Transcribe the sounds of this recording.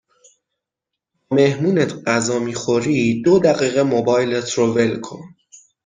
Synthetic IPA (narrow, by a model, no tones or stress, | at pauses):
bɒːme̞hmuːnet̪ʰɢæzɒːmiːxo̞ɾiːd̪od̪æɣiːɣemobɒːjlet̪ʰɾove̞lkʰo̰n